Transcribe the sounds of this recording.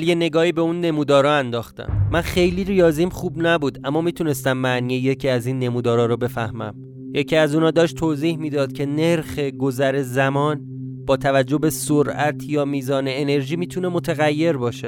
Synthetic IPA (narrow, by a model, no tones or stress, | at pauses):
ljene̞ɡɒːhiːbeuːnːe̞muːd̪ɒːɾɒːænd̪ɒːxt̪æ̰mːænxe̞jliːɾijɒːziːmχuːbnæbuːd̪ʔæmːɒːmiːt̪ʰune̞st̪æmːæʔniːjeje̞cʰiːæziːnːe̞muːd̪ɒːɾɒːɾobe̞fæhmæ̰m | je̞cʰiːæzuːnɒːd̪ɒːʃt̪ʰoːziːhmiːd̪ɒːd̪̥cʰe̞ne̞ɾxe̞ɡo̞zæɾe̞zæmɒːn | b̥ɒːt̪ʰævæd͡ʒːo̞be̞soɾʔæt̪ʰjɒːmiːzɒːneːne̞ɾʒiːmiːt̪ʰune̞mo̞t̪ʰæɣæjːe̞ɾbɒːʃe